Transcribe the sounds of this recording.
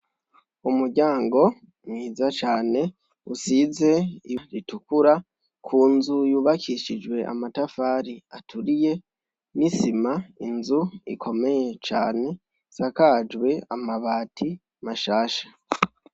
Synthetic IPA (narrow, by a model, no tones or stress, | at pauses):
umuɾɟaːŋɡo̞ | mŋiːzat͡ʃaːne̞ | usize̞iɾitukuɾa | kʰuːnzujuːβakʰiʃid͡ʒwe̞ʔa̰matafaːɾiatʰuɾije̞ | nisimainzuḭkʰo̞me̞je̞t͡ʃa̰ːne̞ | sakad͡ʒɡwe̞amaβaːtʰi | maʃaːʃḁ